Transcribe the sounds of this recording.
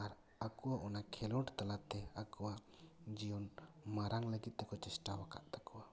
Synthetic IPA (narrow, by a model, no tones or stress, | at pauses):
aɾ | akuwaʔɔnakʰɛlɔɳʈt̪alat̪ɛakuwa | d͡ʒijɔnmaɾaŋləɡit̪̚t̪ːɛkɔt͡ʃɛsʈawaka̰ʔt̪akuwa